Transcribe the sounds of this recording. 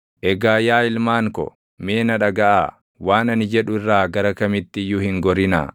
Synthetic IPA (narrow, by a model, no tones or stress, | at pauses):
ʔɛɡaːjaːɪlmaːŋkɔ̰ | me̞ːnɐᶑɐɡɐʔaː | waːnɐnɪd͡ʒɛᶑʊɪrːaːɡɐɾɐkɐmɪt̪ːɪjːʊhɪŋɡɔɾɪna̰ː